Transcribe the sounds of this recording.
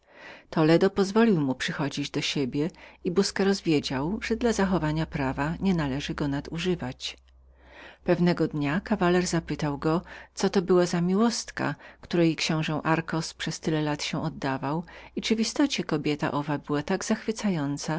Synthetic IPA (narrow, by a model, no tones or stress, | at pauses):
t̪ɔlɛd̪ɔpɔzvɔlʲiwmupʂɘxɔd͡ʑid͡ʑd̪ɔɕebʲjɛibuskɛɾɔzvʲjed͡ʑawʐ̥ɛd̪lazaxɔvaɲapɾavaɲɛnalɛʐɘɡɔnad̪uʐɘvat͡ɕ | pɛvnɛɡɔd̪ɲakavalɛɾzapɘt̪awɡɔt̪sɔt̪ɔbɘwazamʲiwɔst̪ka̰kt̪uɾɛjkɕɔ̃w̃ʐɛ̃w̃ʔaɾkɔspʂɛst̪ɘlɛlat̪ɕɛ̃ʔɔd̪ːavawit͡ʂɘvist̪ɔt͡ɕɛkɔbʲjɛt̪a̰ʔɔvabɘwat̪aɡz̥axfɘt̪sajɔnt̪sa